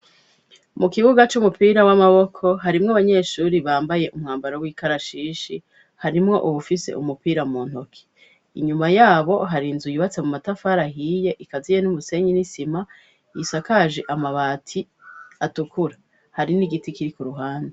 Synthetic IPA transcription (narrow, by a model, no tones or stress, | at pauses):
mukiβuɡat͡ʃumupiːɾawamaβo̞kʰo̞ɦaɾimŋoaβaɲe̞ːʃuːɾiβaːmbaje̞ʔumŋaːmbaɾowiːkaɾaʃiːʃi | haɾimŋo̞ʔuwufise̞̰ʔumupiːɾamuːn̥hokʰi̥ | iɲumajaːβo̞ɦaɾinzujuβat͡se̞mumatafaːɾaɦiːje̞ʔikazije̞nuβuse̞ɲinisima | jisakaʒeʔamaβaːtʰi | atukuɾa | haɾiniɡitikiɾikuɾuɦaːnde